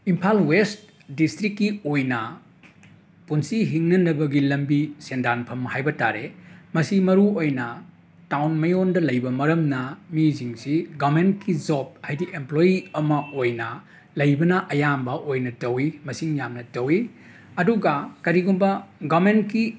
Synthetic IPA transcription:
impʰalwest | distɾikːiojnɐ | punsiɦiŋnɐnɐbɐɡilɐmbisendanpʰɐmhajbɐta̰ɾemɐsimɐɾuojnɐ | tawnmɐjondɐlɐjbɐmɐɾɐmnɐmiziŋsiɡament̚kid͡ʒop̚hajdiʔemplojiɐmɐojnɐ | lɐjbɐnɐʔɐjambɐʔojnɐtɐwimɐsiŋjamnɐtɐwi | ɐduɡɐkɐɾiɡumbɐɡament̚ki

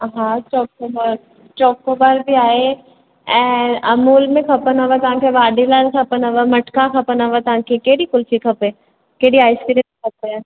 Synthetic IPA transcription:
ɦãt͡ʃɔːkobaːɾ | t͡ʃɔːkːobaːɾbʱiaːe | ɛ̃ːɐmuːlmẽkʰɐpənɐʋat̪ɐɦãkʰeʋaːɖilaːlkʰɐpənəʋamɐʈkakʰɐpənaʋat̪ɐɦãkʰekeːɽikʊlsikʰɐpẽ | keːɽiaːɪskiɾeikʰɐpe

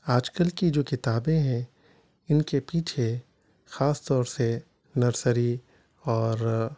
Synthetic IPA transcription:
aːd͡ʒkəlkid͡ʒoːkɪt̪aːbẽɦɛ̃ | ɪnkepiːt͡ʃʰe | xaːst̪ɔːɾse | nɐɾsəɾi | ɔːɾ

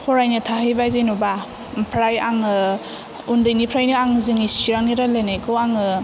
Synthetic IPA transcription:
kʰɔɾajnɯtʰaɦijbajzajnɔba | pʰɾajaŋɯ | undɯjnipʰɾajniaŋzɯŋisiɾaŋniɾalenakʰɯaŋɯ

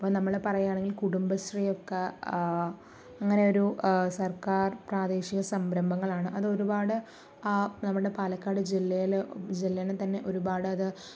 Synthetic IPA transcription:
ɐpːonɐmːɐɨɭepɐrɐjːaːɳeŋɡilkuɽumbɐsrijo̞kːe | ɐŋːɐne̞o̞ɾusɐrkaːrpraːd̪eːɕiɣɐsɐmbɾɐmbʱɐŋːɐɭaːɳɨʔɐðɨo̞ɾubaːɽɨ | nɐmːɐɭɽe̞paːlɐkːaːɽɨd͡ʑilːɐjild͡ʑilːɐint̪ɐnːe̞ʔo̞ɾubaːɽɨɐðɨ

